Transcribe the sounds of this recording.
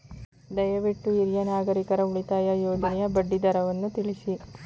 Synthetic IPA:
d̪ɐjɐʋiʈːuiɾjɐnaːɡɐɾikɐɾɐuɭit̪aːjɐjoːd͡ʒɐnɛjɐbɐɖːid̪ɐɾɐʋɐnːut̪iɭisi

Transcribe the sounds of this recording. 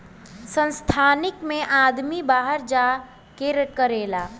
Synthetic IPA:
sə̃nst̪ʰanikmeʔad̪mibaɦəɾd͡ʒa | keɾkəɾela

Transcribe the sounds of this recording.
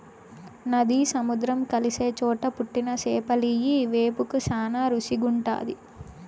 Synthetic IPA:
nɐd̪iːsɐmud̪ɾɐmkɐlise̞ːt͡ʃɔːʈɐpuʈːinɐseːpɐlijiʋeːpukusaːnaːɾusiɡuɳʈa̰ːd̪i

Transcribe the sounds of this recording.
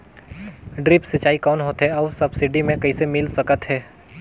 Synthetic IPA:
ɖɾɪpsɐt͡ʃːaːikɔːnɦoːt̪ɦɛɔːsɐbsɪɖimẽkɐisemɪlsɐkət̪ɦɛː

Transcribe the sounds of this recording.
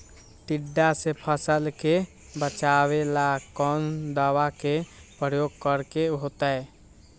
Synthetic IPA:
ʈ̪ɪɖːasepʰəsəlke | bət͡ʃaːwelakɔnd̪aːwakepɾəjoːɡ̚kəɾkeɦoːt̪aɛ

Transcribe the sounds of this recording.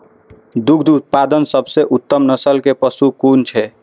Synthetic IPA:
d̪uɡʰd̪ut̪̚pad̪ənsəbseʔut̪ːəmnəsəlkepəsukunt͡ʃʰɛ

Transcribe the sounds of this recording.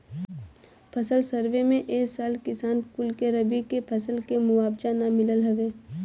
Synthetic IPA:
pʰəsəlsəɾʋemẽʔeːksaːlkɪsaːnkʊlkeɾɐbikepʰɐsəlkemʊwaːbd͡ʒanamɪləlɦɐʋeː

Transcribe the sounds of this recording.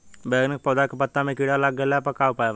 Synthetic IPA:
beɡnək̚pɔd̪akpət̪ːamẽkiɽalaɡəlapəkaʋpajʋ

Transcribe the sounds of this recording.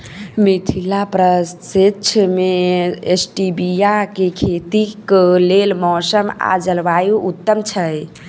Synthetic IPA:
mit̪ʰilapɾəssitːt͡ʃʰəmeesʈibijakekʰet̪iklelmɔsəma̰d͡ʒəlʋajuʔut̪ːəmt͡ʃʰəj

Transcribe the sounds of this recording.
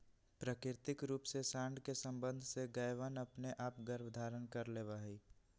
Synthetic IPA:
pɾəkɪɾt̪ɪkɾuːpsesãːɳɖ̪ʱkesə̃mbə̃nd̪ʱseɡəjʋənɐpneʔaːpɡəɾbd̪ʱaːɾənkəɾleːʋaɦiː

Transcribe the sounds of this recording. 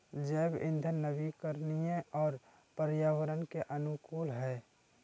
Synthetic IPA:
d͡ʒɛːbɪ̰nd̪ʱənəbikəɾnijẽɔːɾ | pəɾjaːʋəɾənkeʔənukuːlɦɛː

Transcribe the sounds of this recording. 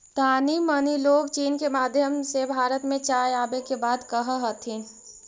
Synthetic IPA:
t̪aːniməniloːɡt͡ʃiːnkemaːd̪ʱjəmsebʱaːɾət̪mẽt͡ʃaːjaːbekebaːd̪kəɦəɦət̪ʰĩ

